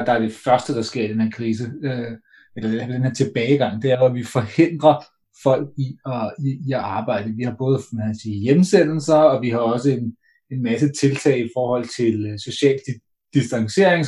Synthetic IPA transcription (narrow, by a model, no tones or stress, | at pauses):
d̥ɑ̈æɐd̥e̝fɶɐsd̥əd̥ɑ̈sɡ̥e̝ɐ̰id̥enheɐ̰kʰʁiːs̬əø | elɐd̥enheɐt͡sʰe̝b̥ɛːɪɡ̥ɑ̈ŋ̰d̥e̝ææɐʋɒʋifɒ̽he̝n̰d̥ʁɐ | fɒ̽l̰ɡ̥̚iɒiiæɑ̈ːb̥ɑ̈ɪ̰d̥əʋihɑ̈b̥ɔ̽ːð̞̩ˠmæsiːjemsenl̩sɐɒ̽ʋiɦɑ̈ɒ̽səe̝n | e̝nmæsət͡sʰe̝lt͡sʰɛ̰ːɪifɒːhɒ̽l̰t͡sʰe̝lso̝ɕɛ̰ːl | d̥isd̥ɑ̈ŋɕe̝ɐe̝ŋ